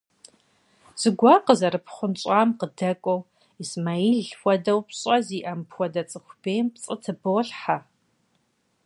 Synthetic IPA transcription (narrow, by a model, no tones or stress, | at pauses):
z̥ɨɡʷaqəzɐɾɨpʰχʷʊnt͡ʃʼaːmqədɐkʷʼɔw | ismaiɮxʷɔdɐwpɕʼɐziːʔɐmpʰxʷɔdɐt͡sʼɨxʷb̥eːjmpt͡sʼɨtʰɨboːɬħa